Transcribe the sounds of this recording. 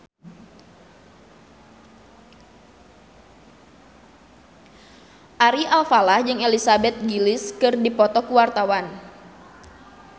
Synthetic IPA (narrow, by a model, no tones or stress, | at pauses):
ʔaɾialfalahd͡ʒɨŋelisabɛt̪̚ɡilɪskɨrdipɔt̪ɔkuwart̪awan